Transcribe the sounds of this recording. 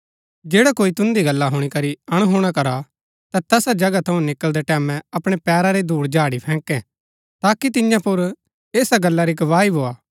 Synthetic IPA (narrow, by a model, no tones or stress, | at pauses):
d͡ʒeːɽakoːit̪ʊ̃nd̪iɡɐlːaɦʊɽ̃ikɐɾiɐɽ̃ɦoːɽ̃akɐɾa | t̪ɛ̃t̪ɛːsad͡ʒɐɡat̪ʰɐũnɪkəld̪eʈɛːmɛ̃ɐpɽ̃epɛːɾaɾed̪ʱuːɽd͡ʒaːɽipʰɛ̃ːkɛ̃ | t̪aːkit̪̬ɪjãpʊɾ | eːsaɡɐlːaɾiɡɐʋaːibʱoːaː